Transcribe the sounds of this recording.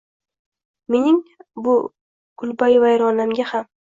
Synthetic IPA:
me̞nɪŋbʊ | ɡʊlbajvajɾɒnamɡʲaham

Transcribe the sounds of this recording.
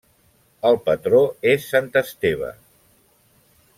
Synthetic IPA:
əlˠpət̪ɾoesːant̪əst̪eβ̞ə̰

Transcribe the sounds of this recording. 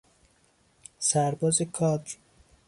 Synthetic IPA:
sæɾbɒːzekʰɒːd̪

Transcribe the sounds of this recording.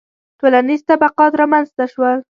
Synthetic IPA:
t̪olanizt̪abaqɑt̪ɾɑmanzt̪aʃwal

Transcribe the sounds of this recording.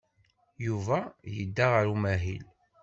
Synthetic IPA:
juvæjəd̪ːaʁəɾumæɦḭl

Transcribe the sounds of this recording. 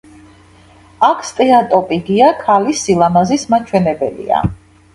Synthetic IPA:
akʰst̪ʼɛat̪ʼɔpʼiɡiakʰalisilˠamazismat͡ʃʰwɛnɛbɛlḭa̰

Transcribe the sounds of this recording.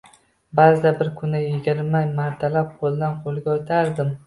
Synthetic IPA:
bazd̪abɪɾkʰʊnajɪɡʲɪɾmamaɾt̪ʰalap̚qʰold̪anqʰolˠɡʲaot̪ʰaɾd̪ɪm

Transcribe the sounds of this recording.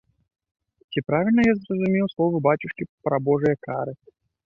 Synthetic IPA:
t͡sʲipɾavʲilʲnɐjazrəzumʲɛwslˠɔvɨbat͡ɕʲuʂkʲipɾabɔʐɨjɐkaɾɨ

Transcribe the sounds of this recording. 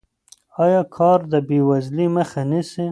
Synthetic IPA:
ɑjɑkʰɑɾd̪əbewazliməxanisi

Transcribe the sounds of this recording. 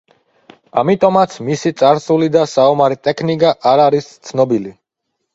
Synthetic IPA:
amit̪ʼɔmat̪sʰmisit̪sʼaɾsulid̪asaɔmaɾɛt̪ʼɛkʰnikʼaʔaɾaɾist̪sʰnɔbili

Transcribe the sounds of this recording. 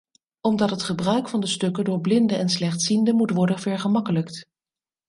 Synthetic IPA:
ɔmdɑtɦətχəbrœɥkfɑndəstɵkədʊːɹblɪndəʔɛnslɛχtsindəmutʋɔɹdənvɛɹχəmɑkələkt

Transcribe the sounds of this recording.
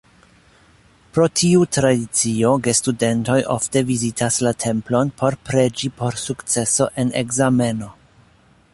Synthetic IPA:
pɾo̞tʰiutɾadit͡sio̞ɡe̞stude̞nto̞jʔo̰fte̞vizitʰaslatʰe̞mplo̞npʰo̞ɾpɾe̞d͡ʒipo̞ɾsukt͡se̞so̞ʔe̞ne̞̰ɡzame̞no̞

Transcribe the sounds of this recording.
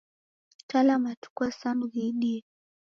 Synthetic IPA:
talamatu̥kwasanuðiɗiɛ

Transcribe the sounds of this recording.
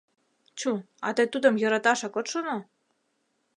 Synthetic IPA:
t͡ɕu | ɑ̰t̪ɤjt̪ud̪ə̆mjɤ̆ɾɑt̪ɑʃɑkot̪ʃono

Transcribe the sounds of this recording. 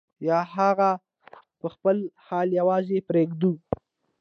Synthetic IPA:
jɑɦaɣa | pəxpəlhɑljawɑzepɾeɡd̪u

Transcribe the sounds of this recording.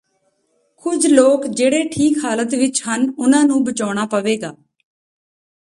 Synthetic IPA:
kʊd͡ʒʱloːkd͡ʒeːɽeːʈʰiːkɦaːlət̪ʋɪt͡ʃɦənʊnãːnũːbət͡ʃaːɽ̃aːpəʋeːɡaː

